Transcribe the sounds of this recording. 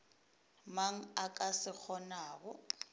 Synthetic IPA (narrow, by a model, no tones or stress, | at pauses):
maŋ̩ak̬ʼasɪk͡xʰɔnaːk̬ɔ